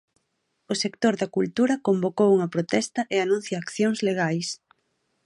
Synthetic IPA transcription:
ʊsekt̪oɾðɐkult̪uɾɐkombokowuŋɐpɾot̪ɛst̪ɐʔeanũn̟θjɐːkθjoŋzleɣajs

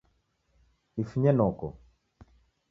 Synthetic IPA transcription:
nifuɲɛnɔkɔ

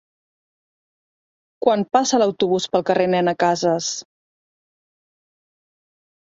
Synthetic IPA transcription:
kwanpasələwt̪uβ̞uspəlˠkərenɛnəkazəs

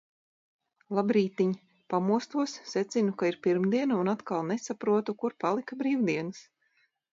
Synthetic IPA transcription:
lˠabɾiːt̪iɲ | pamuɔst̪uɔsːɛt̪sinukaiɾpiɾmd̪iɛnaunat̪kalˠnesapɾuɔt̪ukuɾpalˠikabɾiːwd̪iɛnɨs

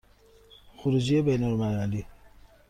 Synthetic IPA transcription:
xuɾud͡ʒijebejnolmaali

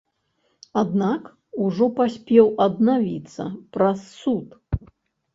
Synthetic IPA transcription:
ad̪nak | uʐɔpasʲpʲɛwɐd̪navʲḭt̪sːɐ̰pɾɐsːut̪

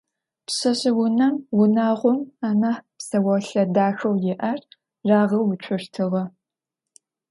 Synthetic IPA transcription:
pɕɐɕɪwʊnɐmwʊnaːʁʷʊmaːnaːħpsɐwɐɬɐdaːxɐwjɪʔɐr | raːʁɐwʊt͡ʃʷʰʊʃtʰɨʁɐ

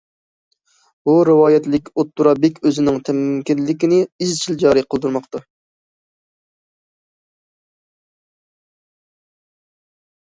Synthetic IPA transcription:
buɾɨwɑːjɛt̪lɪkʲot̪ːuɾɑbɪkʲøzɪnɪŋt̪ʰɛmmkʲinlːɪkʲɪnɪizt͡ʃʰild͡ʒɑːɾiqʰəlˠd̪uɾmɑqt̪ɑ

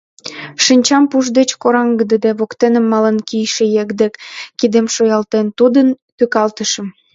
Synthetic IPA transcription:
ʃinʲt͡ɕɑmpuʒd̪et͡ɕkoɾɑŋɡəd̪əd̪eβokt̪enə̆mːɑlənkijʃĕjekd̪ekkid̪emʃojɑlt̪ent̪ud̪ən | t̪økɑlt̪əʃəm

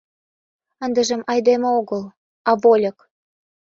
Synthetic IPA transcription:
ə̆nd̪ə̆ʒə̆mɑjd̪emɤ̆oɣəl | ɑvolʲɤ̆k

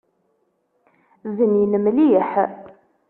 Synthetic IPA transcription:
ðənjənəmliəħ

